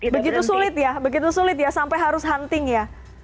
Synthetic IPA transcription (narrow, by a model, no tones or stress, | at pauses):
bəɡit̪usulɪt̪̚jabəɡit̪usulɪt̪̚jasampajɦaɾʊsɦant̪ɪŋja